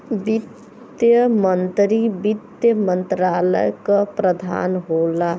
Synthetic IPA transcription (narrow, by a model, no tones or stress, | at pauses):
bit̪ | jəmənt̪ɾibid̪jəmənt̪ɾalə̰jkəpɾəd̪ʱa̰nɦola